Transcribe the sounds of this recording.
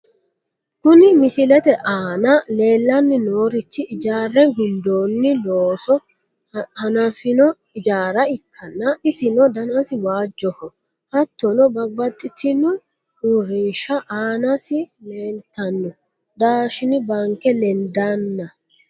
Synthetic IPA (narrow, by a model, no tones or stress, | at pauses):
kʊnɪmɪsɪlɛt̪ɛʔaːnɐle̞ːlːɐnːɪnoːɾɪt͡ʃːɪʔɪd͡ʒaːrːɛɡʊnd̪oːnːɪloːsɔ | hɐnɐfɪnɔ | ɪd͡ʒaːɾɐɪkʰːɐnːɐɪsɪnɔd̪ɐnɐsɪwaːd͡ʒːɔhɔ | hɐt̪ːɔnɔbɐbːɐt̪ʼːɪt̪ʰɪnʊ | ʊɾiːʃɐʔaːnɐsɪleːnt̪ːɐnːɔ | d̪aːʃɪnɪbaŋkɛlɛnd̪anːɐ